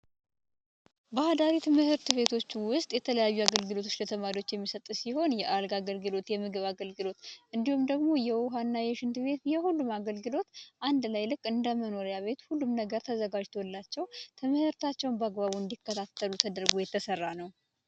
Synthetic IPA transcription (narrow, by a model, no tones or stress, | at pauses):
bəad̪aɾit̪mɨhɨɾt̪ɨβe̞t̪ʰo̞t͡ʃːwʊst̪ʼjɛt̪ʰələjajːuaɡəlɡɨlo̞t̪ʰo̞t͡ʃːlət̪ʰəmaɾio̞t͡ʃːjɛmːisət̪ʼsiho̞njɛʔalɡaɡəlɡɨlo̞t̪jɛmɨɡɨβaɡəlɡɨlo̞t̪ʔɨnd̪ihumd̪əɡmo̞jɛwʊɦanːajɛʃɨnt̪ɨβe̞t̪jɛhulːumaɡəlɡɨlo̞t̪ʔand̪lajlɨkʼːɨnd̪əməno̞ɾjaβe̞t̪hulːumnəɡəɾt̪ʰəzəɡad͡ʒt̪ʰo̞lːat͡ʃːɛwt̪ʰəməhɨɾt̪ʰat͡ʃːɛwnbəaɡbaβuɨnd̪ikːət̪ʰat̪ːəlut̪ʰəd̪əɾɡojɛt̪ʰːəsərːanəw